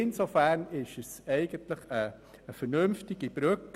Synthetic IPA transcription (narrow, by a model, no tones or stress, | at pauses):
ɪnsofæɾnɪʃəsɛɪɡ̥əntləχəː | fəɾnʏmftɪɡ̥ib̥ɾʏk